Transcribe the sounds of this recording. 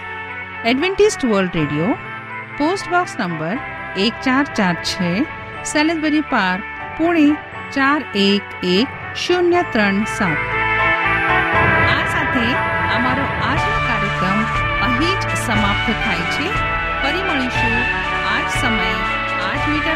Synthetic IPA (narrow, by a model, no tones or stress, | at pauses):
ɛɖʋẽɳʈisʈʋəɾlɖɾeːɖijo | poːsʈbɔksnəmbəɾ | eːkt͡ʃaɾt͡ʃaːɾt͡ʃʰe | selenbəɾipaɾk̚ | puɽ̃e | t͡ʃaːɾeːkek | ʃunjət̪ɾəɳsat̪̚ʰ | aːsat̪ʰeəmaɾoʔaːd͡ʒikaːɾjəkɾəm | əɦid͡ʒ | səmaːp̚t̪ʰt̪ʰaːjt͡ʃʰe | pəɾiməɭ̃iʃu | aːd͡ʒsəməj | aːd͡ʒmiʈə